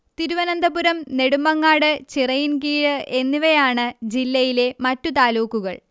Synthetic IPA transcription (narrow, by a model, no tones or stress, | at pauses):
t̪iɾuʋɐnɐnd̪ɐpuɾɐmne̞ɽumːɐŋːaːɽɨt͡ɕirɐjinkiːɻɨʔe̞nːiʋɐjaːɳɨd͡ʑilːɐjile̞mɐtːut̪aːluːkːuɣɐ̰ɭ